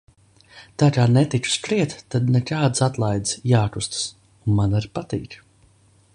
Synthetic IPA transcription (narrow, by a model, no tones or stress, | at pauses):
t̪aːkaːnɛt̪it͡ʃu̥stɾiɛt̪ːad̪nɛkaːd̪sat̪lˠajd̪zjaːkust̪s | unmanaɾpat̪ḭːk